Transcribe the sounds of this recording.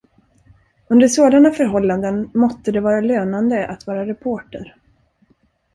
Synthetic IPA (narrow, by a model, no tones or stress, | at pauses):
ɵnd̪əʂoːd̪anafœɾɦɔlːand̪ənmɔst̪ːəd̪ɛvɑːɾaløːnand̪əʔa̰t̪vɑːɾaɾɛpʰoːʈəɾ